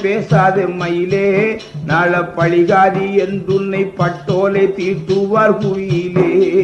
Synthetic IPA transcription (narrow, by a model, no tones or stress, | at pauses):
peːsaːðɐmːɐjɪleːnaːɭɐpːɐɻɪɣaːðiɛnd̪ɯnːɐɪpːɐʈːoːlet̪iːɾʈ̪ɯɾɯʋaːɾkuʋijɪleː